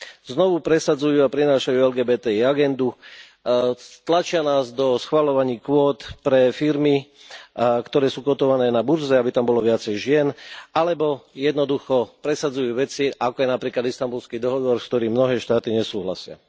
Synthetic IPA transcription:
znɔʋupɾɛsad͡zujuːapɾinaːʃajuːɛlɡɛːbɛːt̪ɛːiaɡɛnd̪u | t̪lat͡ʃɪanaːzd̪ɔsxʋalɔʋaɲiːkʋɔːt̪pɾɛfiɾmi | kt̪ɔɾɛːsuːkɔt̪ɔʋanɛːnabuɾzɛabit̪ambɔlɔʋɪat͡sɛjʒɪɛnalɛbɔjɛd̪nɔd̪uxɔpɾɛsad͡zujuːʋɛt͡siakɔjɛnapɾiːklad̪ist̪ambulskiːd̪ɔɦɔʋɔɾskt̪ɔɾiːmːnɔɦɛːʃt̪aːt̪iɲɛsuːɦla̰sɪa̰

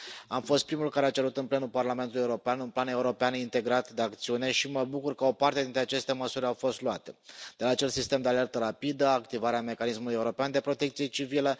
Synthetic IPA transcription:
amfo̞st̪̚pɾimulkaɾeat͡ʃe̞ɾut̪ɨnple̞nulparlame̞nt̪ulujeuɾo̞peanunplane̞uɾo̞peanint̪e̞ɡɾat̪d̪e̞ak̚t̪siune̞ʃiməbukurkəo̞part̪ed̪int̪ɾeat͡ʃe̞st̪e̞məsuɾʲawfo̞st̪luat̪e̞d̪̥elaːt͡ʃe̞lsist̪e̞md̪eale̞rt̪əɾapid̪əakt̪ivaɾeame̞kanismulujeuɾo̞peand̪e̞pɾo̞t̪ekt̪sijet͡ʃivilə

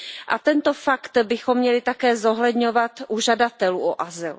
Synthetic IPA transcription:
ʔa̰t̪ɛnt̪ofakt̪bɪxo̞mːɲɛlɪt̪akɛːzo̞ɦlɛdɲo̞vat̪ʔuʒadat̪ɛluːʔoʔazɪl

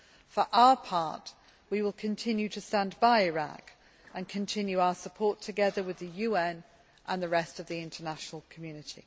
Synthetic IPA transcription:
fəɹʔaʊəpʰɑˑʔ | wiwɪlˠkʰə̃ntʰɪ̃njʉtʰəstãnbaɪɪɹa̰k | ʔə̃nkʰə̃ntʰɪ̃njʉaʊəsəpʰɔˑtʰəɡɛðəwɪðəjʉːɛ̃n | ʔə̃nðəɹɛstəvðiɪ̃ntʰənaʃənəlˠkʰəmjʉːnɪtʰḭ

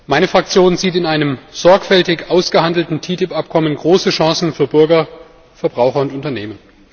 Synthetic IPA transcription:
maɪnəfʁ̥ak̚t͡sjoːnziːtɪnaɪnəmz̥ɔɐkfɛltɪçʔaʊsɡ̥əhandl̩tn̩tʰiːtɪpʔap̚kʰɔmənɡʁoːsəʃãːsn̩fyːɐbʏɐɡɐ | fɛɐbʁaʊxɐʊntʊntɐnḛːmən

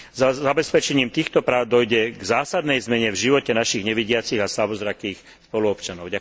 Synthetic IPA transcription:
zaabɛspɛt͡ʃɛɲiːmt̪iːxt̪ɔpɾaːʊd̪ɔjɟɛɡzaːsad̪nɛjzmɛɲɛvʒiʋɔcɛnaʃiɣɲɛʋiɟɪat͡siɣaslabɔzɾakiːx | spɔluɔpt͡ʃanɔʊɟa

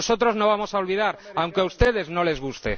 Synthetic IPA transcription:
sot̪ɾoznoβ̞amosaolβiðaɾawŋkeaust̪eð̞eznole̞zɣust̪ḛ

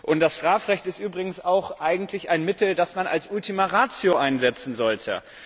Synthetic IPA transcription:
ʔʊnt̚d̥asʃtʁ̥aːfʁɛçtɪstʔyːbʁɪɡŋ̩saʊxʔaɪɡŋ̩tʰlɪçaɪnmɪtl̩dasmanʔa̰lsʔʊltimaʁaːt͡sjoʔaɪnzɛt͡sn̩zɔltʰə̰

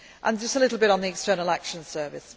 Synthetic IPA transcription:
ʔə̃nd͡ʒʌstəlɪɾˡl̩ˠbɪɾn̩ðiɛkstɜːnəlakʃə̃nsɜːvɪ̰s

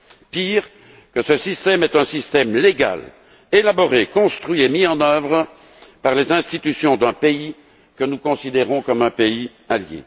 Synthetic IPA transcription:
piːʁ | kəsəsist̪ɛmɛt̪ɛ̃sist̪ɛmleɡa̰l | elabɔʁekɔ̃st̪χɥiemiɑ̃nœvʁə | paʁlezɛ̃st̪it̪ysjɔ̃d̪ɛ̃pei | kənukɔ̃sid̪eʁɔ̃kɔmɛ̃pei | aljḛ

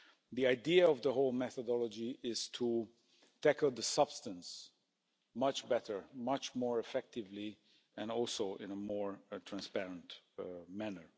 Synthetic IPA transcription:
ðiaɪdiəɔvðəɦoʊlˠmɛθədɔlˠəd͡ʒiʔɪz̥tʰu | tʰækl̩ˠðəsʌb̥stə̃ns | mʌt͡ʃbɛɾə˞mʌt͡ʃmɔɹɨfɛk̚tɪvli | ɨ̃nɔlˠsoʊʔɪ̃nəmɔɹtʰɹæ̃nspɛɹə̃ntmænə˞

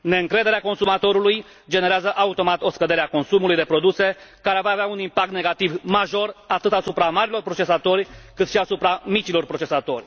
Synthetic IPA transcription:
ne̞ɨŋkɾe̞d̪e̞ɾeako̞nsumat̪o̞ɾuluj | d͡ʒe̞ne̞ɾeazəʔaut̪o̞mat̪o̞skəd̪e̞ɾeako̞nsumulujd̪e̞pɾo̞d̪use̞kaɾeavaːveaunimpak̚t̪ne̞ɡat̪ivmaʒo̞rat̪ɨt̪asupɾamaɾilo̞rpɾot͡ʃe̞sat̪o̞rʲkɨt̪ʃiasupɾamit͡ʃilo̞rpɾo̞t͡ʃesat̪o̞̰rʲ

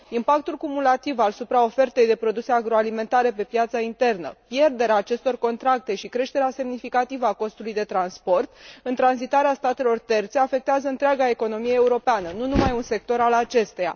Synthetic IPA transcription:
impak̚t̪ulkumulat̪ivasupɾao̞fe̞rt̪e̞jd̪e̞pɾo̞d̪use̞aɡɾo̞alime̞nt̪aɾe̞pe̞pjat̪saint̪e̞rnə̰pje̞rd̪e̞ɾeaːt͡ʃe̞st̪o̞rko̞nt̪ɾak̚t̪e̞ʃikɾe̞ʃt̪e̞ɾease̞mnifikat̪ivəako̞st̪ulujd̪e̞t̪ɾanspo̞rt̪ɨnt̪ɾanzit̪aɾeast̪at̪e̞lo̞rt̪e̞rt̪se̞afe̞k̚t̪eazəɨnt̪ɾeaɡae̞ko̞no̞mijeeuɾo̞peanənunumajunse̞k̚t̪o̞ɾalat͡ʃe̞st̪eja̰

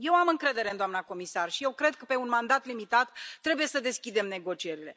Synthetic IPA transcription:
je̞wamɨŋkɾe̞d̪e̞ɾend̪oamnako̞misarʃije̞wkɾe̞d̪̚kəpe̞unmand̪at̪limit̪at̪ːɾe̞buje̞səd̪e̞skʲid̪e̞mne̞ɡo̞t͡ʃie̞ɾile

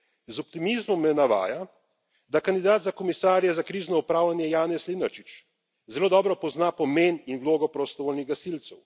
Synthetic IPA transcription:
zɔpt̪imizmɔmːɛnaʋa̰ːja | d̪akand̪id̪aːd̪zakɔmisaːɾjɛzakɾiːʒnɔupɾaːwlanjɛjaːnɛslinaɾt͡ʃit͡ʃ | zɛloːd̪ɔːbɾɔpɔznapɔmeːninwloːɡɔpɾɔst̪ɔʋoːlniɣɡasilt̪sɛw

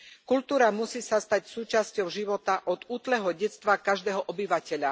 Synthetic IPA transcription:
kult̪uːɾamusiːsast̪acsuːt͡ʃascɔʊʒiʋɔt̪aʔɔd̪uːt̪lɛɦɔɟɛt͡st̪ʋakaʒd̪ɛːɦɔʔɔbiʋacɛʎa

